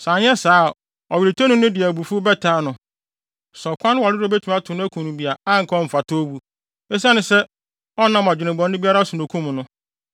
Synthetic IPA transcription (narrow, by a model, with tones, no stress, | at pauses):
sa˨n˦ɛ˦saː˨˦˨ | ɔ˨we˨tʰo˦nʊ̃˦nʊ̃˦dɪ˨æ˨bu˨fu˦bɛ˦tʰaː˨˦nʊ̃˨ | sɔ˨kʷʰã˦n˦a˨ɾɪ˦ɔ˦be˦tʰu˨m˦a˦tʰʊ˨nʊ̃˦æ˦kʰũ˨nũ˨bi˨a˨a˦ŋ̩˨kʰa˦ɔ˦m̩˨fa˨tʰo˦bu˦ | e˦s̬a˦nʊ̃˨sɛ˦ | ɔ˦nã˦mã˨d͡ʑᶣɪ˨nɪ̃˨bɔ̃˨nː˦ɪ̃˦bi˦a˦ɾa˦su˨nʊ̃˨kʰũ˦m˨nʊ̃˦